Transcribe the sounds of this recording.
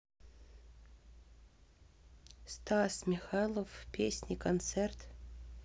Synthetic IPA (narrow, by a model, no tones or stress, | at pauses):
st̪ɑsmʲixɑjlˠofpʲesʲnʲikont̪sert̪